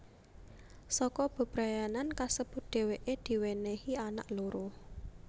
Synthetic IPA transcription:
sɔkɔb̥ə̤b̥ɾajanankasəb̥ʊ̤t̪̚d̪̥e̤weʔed̪̥i̤wenehiana̰ʔloɾoh

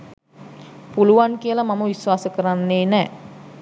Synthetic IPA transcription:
puluʋankijəlamaməʋisʋaːsəkəɾanːeːnɛː

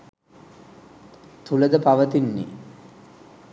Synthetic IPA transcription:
t̪uləd̪əpaʋət̪inːḭ

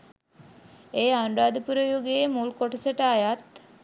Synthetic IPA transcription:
eːaɳɖaːd̪əpuɾəjuɡemulkoʈəsəʈəːjat̪

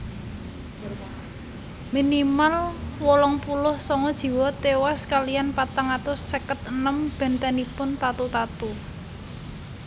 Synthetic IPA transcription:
minimalwɔlɔŋpulʊhsɔŋɔd̥ʒ̥i̤wɔt̪ewaskalijanpat̪aŋat̪ʊsːəkət̪̚ənəmb̥ɛ̤nt̪ɛnipʊnt̪at̪ut̪at̪u

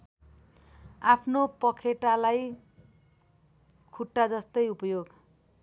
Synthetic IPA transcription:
apʰnopʌkʰeʈalaj | kʰuʈːad͡zʌst̪ʌjupʌjoɡ

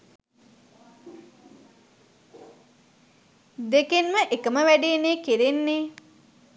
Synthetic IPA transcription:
d̪ekenməʔekəməʋæɖeːneːkiɾenːe

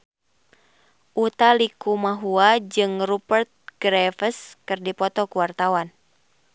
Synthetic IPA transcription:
ʔut̪alikumaɦuad͡ʒɨŋrupərt̪̚ɡ̥ɾɛfəskɨrdipɔt̪ɔkuwart̪awan

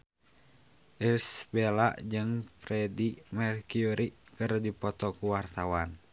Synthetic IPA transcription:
ʔirsbɛla̰d͡ʒɨŋpɾɛdimɛrkiuɾikɨrdipɔt̪ɔkuwart̪awan

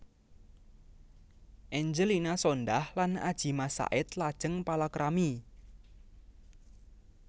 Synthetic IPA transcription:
ʔɛɲd͡ʒəlinasɔndahlana̰d̥ʒ̥i̤masa̰ʔɪt̪lad̥ʒ̥əŋpalakɾʔami

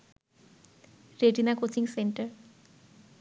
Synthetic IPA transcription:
ɾeɖinakot͡ɕiŋseɳʈəɾ

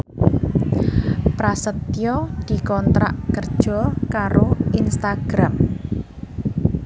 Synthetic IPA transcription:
pɾasət̪jɔd̪̥i̤kɔnt̪ɾaʔkərd̥ʒ̥ɔ̤kaɾoinst̪aɡ̥ɾam

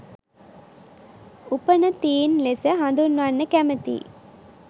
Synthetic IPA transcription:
upɐnɐt̪iːnlesɐɦɐnd̪unʋanːɐkæmɐt̪ḭ

